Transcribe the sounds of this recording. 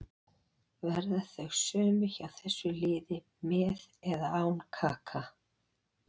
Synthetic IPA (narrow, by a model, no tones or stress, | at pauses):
vɛɾðaθœɣsœːmʏçawθɛsːʏlɪːðɪ | mɛːðɛðaaːwnkʰaːkʰa